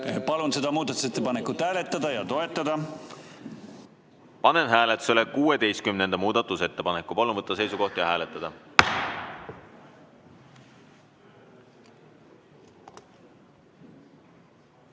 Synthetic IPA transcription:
pɑlunse̞d̪̥ɑmuːd̪ɑt̪ːˑu̥set̪ˑːepɑnekːˑut̪hæːlet̪ːɑd̪̥ɑjɑt̪o̞e̞t̪ːˑɑd̪̥ɑ | pɑne̞nɦæːlet̪ːˑu̥se̞lekuːed̪e̞jst̪kymne̞nd̪ɑmuːd̪̥ɑt̪ːˑuse̞t̪ːepɑnekːˑupɑlunvɤt̪ːɑse̞jsuko̞ht̪jɑhæːlet̪ˑːɑd̪̥ɑ

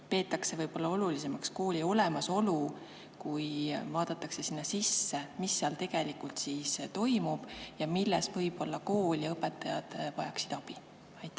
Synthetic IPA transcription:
pe̞ːt̪ːˑɑkse̞vɤjb̥o̞lːɑo̞lulise̞mɑksko̞ːlʲio̞le̞mɑso̞lu | kujvɑːd̪̥ɑt̪ːˑɑkse̞sinːɑsisːemisːeɑlt̪e̞ɡ̥e̞likult̪siːst̪o̞jmub̥jɑmilːɛsvɤjb̥olːɑko̞ːlʲjɑɤpːˑet̪ːˑɑjɑ̰d̪̥vɑjɑksi̥d̪̥ɑb̥i | ɑjt̪ːˑæ

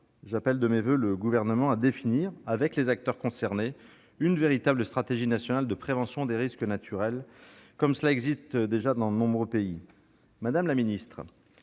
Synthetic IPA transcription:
ʒapɛld̪əmevøləɡuvɛʁnəmɑ̃ad̪efiniʁavɛklezak̚t̪œʁkɔ̃sɛʁne | ynveʁit̪abləst̪χat̪eʒinasjɔnald̪əpχevɑ̃sjɔ̃d̪eʁiskənat̪ʰyʁɛlkɔmsəlaɛɡzist̪d̪eʒad̪ɑ̃d̪ənɔ̃bʁøpei | mad̪amlaminist̪χ

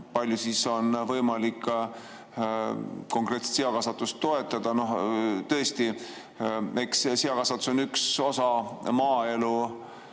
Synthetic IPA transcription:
pɑlʲjusiso̞nvɤjmɑlikː | ko̞ŋkre̞t̪se̥t̪siɑkɑsɑt̪ːˑust̪ːo̞e̞t̪ːˑɑd̪̥ɑno̞ht̪ɤest̪i | e̞kssiɑkɑsɑt̪ːu̥so̞nykso̞sɑmɑːe̞lu

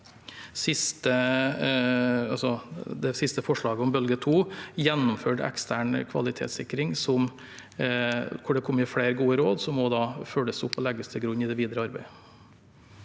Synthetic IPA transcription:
sɪst̪ə | ɑlsɔd̪ɛsɪst̪əfɔʂɭɑːɡəɔmbœlɡət̪ʰuːjɛnːʊmføːʈɛ̰kst̪ʰæːɳkʰʋɑ̰lɪt̪ʰḛːt̪sɪkɾɪŋsɔm | kʰʊɖɛkʰɔmːjɪfɽeːɾɡuːəɾoːd̪sɔmːɔd̪ɑːføːləsʊpːɔlɛɡːəst̪ʰɪlɡɾʉnːɪd̪ɛʋiːd̪ɾəɑɾbæɪ

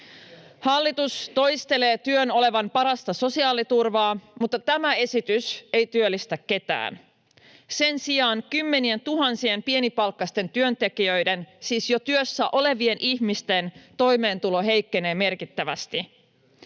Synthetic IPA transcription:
hɑlːit̪ust̪o̞jst̪e̞le̞ːt̪yøno̞le̞ʋɑmpɑɾɑst̪ɑso̞siɑːlit̪urʋɑːmut̪ːɑt̪æmæe̞sit̪yse̞jt̪yølːist̪ækːe̞t̪æ̰ːn | se̞nsiɑːnkymːe̞nie̞nt̪uɦɑnsiempie̞nipɑlkːɑst̪e̞nt̪yønt̪e̞kiøjdensiːsjo̞t̪yøsːæʔo̞le̞ʋie̞nʔiçmist̪e̞nt̪o̞jme̞ːnt̪ulo̞ɦe̞jkːe̞ne̞ːme̞rkit̪ːæʋæst̪i

